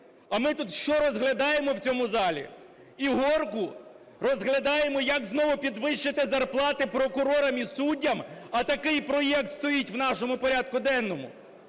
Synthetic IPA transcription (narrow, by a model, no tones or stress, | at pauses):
ɐmɪt̪ut̪ʃt͡ʃɔɾɔzɦlʲɐd̪ɑjemɔwt͡sʲɔmʊzɑlʲḭ | iɦɔrkʊ | rɔzɦlʲɐd̪ɑjemɔjɐkznɔʋʊpʲid̪ʋɪʃt͡ʃɪt̪ɪzɐrplˠɑt̪ɪpɾɔkʊɾɔɾɐmisudʲːɐmɐt̪ɐkɪjpɾɔjɛk̚t̪st̪ɔjitʲwnɑʃɔmʊpɔɾʲad̪̚kʊd̪ɛnːɔmʊ̰